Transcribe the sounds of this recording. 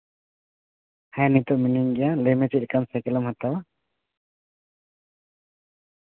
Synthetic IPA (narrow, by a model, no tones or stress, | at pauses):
hajanit̪ɔʔminiŋɡɛjalemet͡ʃikansajkɛlɔmhat̪awa